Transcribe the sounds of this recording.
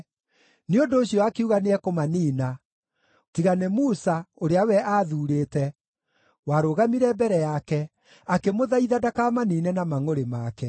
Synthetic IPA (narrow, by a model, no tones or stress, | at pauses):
neondoːɕiɔakeuɣaneɛkomaniːna | tiɣanɛmusaoɾeawɛʔaːðuːɾeːtɛ | waɾoɣamiɾɛbɛɾɛjakɛ | akemoðaiðadakamaniːnɛnamaŋoɾemakɛ